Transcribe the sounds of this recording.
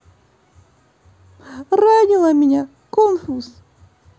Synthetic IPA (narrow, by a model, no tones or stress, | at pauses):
ranʲɪlˠɐmʲɪnʲa | konfus